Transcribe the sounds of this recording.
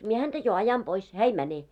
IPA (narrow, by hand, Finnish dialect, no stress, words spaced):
mie hæntæ jo ɑjɑn pois hæː ei mæne